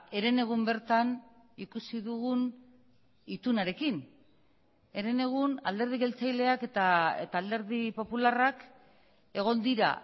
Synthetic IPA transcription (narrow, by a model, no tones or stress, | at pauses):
e̞ɾe̞ne̞ɣ̞umbe̞ɾt̪an | ikusiðuɣun | it̪unaɾe̞kin | e̞ɾe̞ne̞ɣ̞una̰ld̪e̞ɾð̞iɣe̞lt͡sajle̞ake̞t̪aḛt̪aːld̪e̞ɾðipo̞pularak | e̞ɣ̞o̞nd̪iɾa̰